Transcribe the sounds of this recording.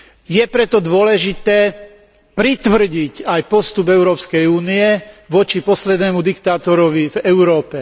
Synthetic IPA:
jɛpɾɛt̪ɔd̪ʊɔlɛʒit̪ɛː | pɾit̪ʋr̩ɟicajpɔst̪ubɛʊɾɔːpskɛjuːniɛʋɔt͡ʃipɔslɛd̪nɛːmud̪ikt̪aːt̪ɔɾɔʋivɛʊɾɔːpɛ

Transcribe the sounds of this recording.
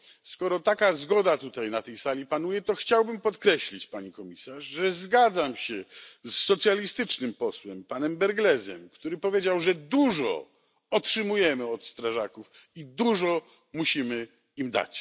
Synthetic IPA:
skɔɾɔt̪akazɡɔd̪at̪ut̪ajnat̪ɛjsalʲipanujɛt̪ɔxt͡ɕawbɘmpɔt̪kɾɛɕlʲit͡ɕpaɲikɔmʲisaʐʐɛzɡad̪zamɕɛsːɔt̪sʲjalʲist̪ɘt͡ʂnɘmpɔswɛmpanɛmbɛɾɡlɛzɛ̰mkt̪uɾɘpɔvʲjed͡ʑawʐɛd̪uʐɔ̰ | ɔtʂɘmujɛmɘɔt̪st̪ɾaʐakuf | id̪uʐɔ | muɕimɘ | imd̪a̰t͡ɕ

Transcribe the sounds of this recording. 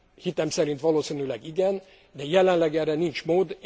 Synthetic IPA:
hit̪ɛmsɛɾint̪ʋɒloːsinylɛɡiɡɛn | d̪ɛjɛlɛnlɛɡɛrːɛnint͡ʃmoːd̪

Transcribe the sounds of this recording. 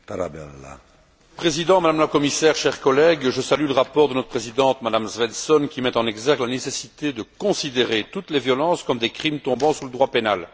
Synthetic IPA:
t̪aɾa̰bɛ̰lːa̰ | pχezid̪ɑ̃mad̪amlakɔmisɛːʁʃɛʁkɔlɛɡʒəsalyləʁapɔʁd̪ənɔt̪χəpχezid̪ɑ̃t̪mad̪amzvɛnsɔnkʲimɛt̪ɑ̃nɛɡzɛʁk̪lanesesit̪ed̪əkɔ̃sid̪eʁet̪ut̪levjɔlɑ̃skɔmd̪ekχimt̪ɔ̃bɑ̃suləd̪ʁwapenal

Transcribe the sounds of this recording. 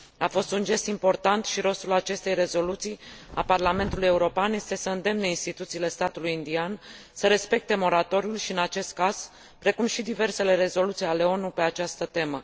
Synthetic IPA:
afo̞st̪und͡ʒe̞st̪impo̞rt̪ant̪ʃiɾo̞st̪ulat͡ʃe̞st̪e̞jre̞zo̞lut̪sija̰parlame̞nt̪uluje̞uɾo̞peanje̞st̪e̞səɨnd̪e̞mneinst̪it̪ut̪siːle̞st̪at̪ulujind̪ian | səɾe̞spe̞k̚t̪e̞mo̞ɾat̪o̞ɾiulʃiɨnat͡ʃe̞st̪̚kaz̥ | pɾe̞kumʃid̪ive̞rse̞le̞ɾe̞zo̞lut̪sijale̞o̞nupe̞at͡ʃast̪ət̪e̞mə

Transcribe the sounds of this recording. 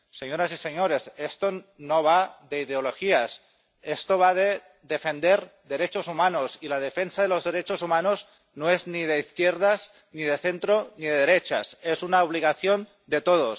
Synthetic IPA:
seɲoɾasiseɲoɾesest̪onoβ̞aðeiðeoloxias | est̪oβ̞aðe | ðefend̪eɾðe̞ɾet͡ʃozumanosilað̞efensaðelozðeɾet͡ʃosumanoz | noeznið̞eiθkjeɾð̞az | niðeθent̪ɾoniðeðeɾet͡ʃa̰sezunaoβ̞liɣaθjon | d̪et̪oð̞os

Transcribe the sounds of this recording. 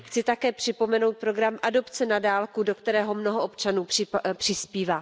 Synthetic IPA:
xt͡sɪt̪akɛːpr̝̥ɪpo̞mɛno̞wt̪̚pɾo̞ɡɾamʔado̞pt͡sɛnadaːlkudo̞kt̪ɛɾɛːɦo̞mno̞ɦoʔopt͡ʃanuːpr̥ɪpr̥ɪspiːvaː

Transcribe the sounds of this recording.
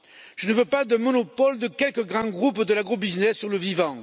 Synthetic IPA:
ʒ̥ənəvøpad̪əmɔnɔpɔld̪əkʲɛlkəɡʁɑ̃ɡʁupd̪əlaɡʁobiznɛsːyʁləvivɑ̃

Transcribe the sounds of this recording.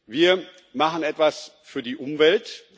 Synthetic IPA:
viːɐ | maχən̩ɛtv̥asfyːɐdiːʔʊmvɛlt

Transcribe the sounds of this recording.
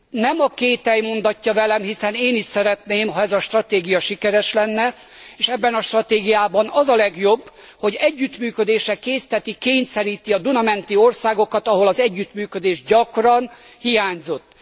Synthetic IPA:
nɛmɒkeːt̪ɛjmo̞nd̪ɒcːɒvɛlɛmɦisɛneːniʃsɛɾɛt̪neːmɦɒɛzɒʃt̪rɒt̪eːɡijɒʃikɛɾɛʃlɛnːɛ | eːʃɛbːɛnɒʃt̪rɒt̪eːɡijaːbɒnɒzɒlɛɡjo̞bː | ho̞ɟɛɟːyt̪myːkød̪eːʃrɛkeːst̪ɛt̪ikeːɲsɛɾiːt̪iɒd̪unɒmɛnt̪iorsaːɡo̞kɒt̪ɒɦo̞lɒzɛɟːyt̪myːkød̪eːʒɟɒkrɒn | hijaːɲzo̞t̪ː

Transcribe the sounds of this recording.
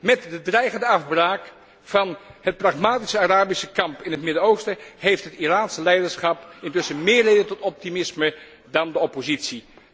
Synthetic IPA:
mɛtdədrɛjχəndəɑvbraːk | fɑnhət̚prɑχmaːtisəaraːbisəkɑmpɪnɦətmɪdənowstəɦejftɦətiraːnsəlɛjdəɹsχɑpɪntʏsəmɪːɹlejdəntɔtɔp̚timɪsmə | dɑndəɔpozitsi

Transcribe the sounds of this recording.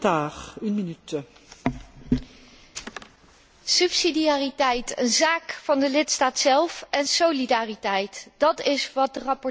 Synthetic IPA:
taːʁynminyt̪ | sɵpsidiaːritɛjtənzaːkfɑndəlɪtstaːtsɛlˠfɛnsowlidaːritɛjtd̥ɑtɪsʋɑt̚dərɑpɔ

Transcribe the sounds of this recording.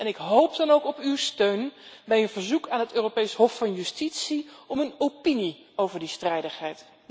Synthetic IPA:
ʔɛnɪkɦowp̚dɑnowkɔpywstøɥnbɛjənvəɹzukaːnɦətøːropejsɦɔfːɑnjystitsiɔmənopini | owvəɹdistrɛjdəχɦɛjt

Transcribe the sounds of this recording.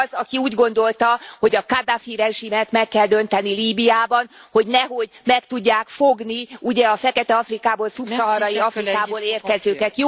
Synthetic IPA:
zɒkiuːɟɡo̞n̪d̪o̞lt̪ɒho̞ɟɒkad̪afiɾɛʒimɛt̪mɛkːɛld̪ø̞nt̪ɛniliːbijaːbɒnho̞ɟnɛɦo̞ɟmɛkt̪uɟːaːkfo̞ɡniuɟɛɒfɛkɛt̪ɛɒfrikaːboːlsupsɒɦɒɾɒjiɒfrikaːboːleːrkɛzøːkɛt̪j

